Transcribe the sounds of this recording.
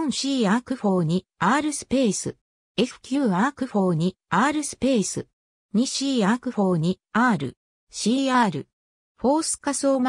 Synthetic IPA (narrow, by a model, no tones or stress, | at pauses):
ɕiːakɯ̟ɸo̞ːɲ̟iaːɾɯ̟sɨ̥pe̞ːsɨ | e̞ɸɯ̟̥kʲɯ̟ːaːkɯ̟ɸo̞ːɲ̟iː | ɾɯ̟sɨ̥pe̞ːsɨ̰ | ɲ̟iɕiːakɯ̟ɸo̞ːɲ̟iaːɾɯ̟̰ | ɕiːaːɾɯ̟ | ɸo̞ːsɨ̥kaso̞ːm